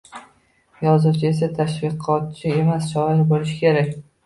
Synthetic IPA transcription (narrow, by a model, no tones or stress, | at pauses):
jɒzɨt͡ʃʰɪe̞s̬at̪ʰaʃvɪqʰɒt̪̚t͡ʃʰɪe̞masʃɒɪɾbolɪʃɪ̥kʲʰe̞ɾakʲ